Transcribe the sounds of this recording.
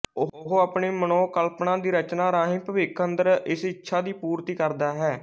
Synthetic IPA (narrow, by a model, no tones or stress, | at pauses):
ʊɦoːaːpɳeːmənoːkəlpnãːd̪iːɾət͡ʃnaːɾaːɦĩːpəʋɪkʰənd̪əɾɪsɪtːʃʰaːd̪iːpuːɾt̪iːkəɾd̪aːɦɛː